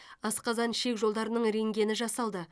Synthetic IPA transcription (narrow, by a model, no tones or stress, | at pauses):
ɑsqɑzɑnʃe̞kʒo̞lˠd̪ɑɾənəɴɾe̞ŋɡʲe̞nɪʒɑsɑlˠd̪ə